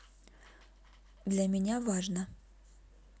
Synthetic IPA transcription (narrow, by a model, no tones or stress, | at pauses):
d̪lʲɐmʲɪnʲavaʐnə